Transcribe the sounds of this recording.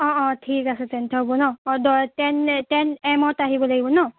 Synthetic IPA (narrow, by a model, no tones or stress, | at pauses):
ɔ̃ɔ̃tʰikasɛtɛntʰɔbɔnɔdɔtɛntɛnɛmɔtaɦibɔlaɡibɔnɔ